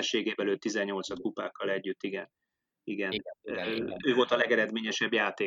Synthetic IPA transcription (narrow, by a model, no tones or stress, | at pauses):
ʃːeːɡeːbɛløːt̪ːizɛɲːo̞lt̪sɒt̪̚kupaːkːɒlɛɟːyt̪ːiɡɛn | iɡɛnː | øːvo̞lt̪ɒlɛɡɛɾɛd̪meːɲɛʃɛbjaːt̪eː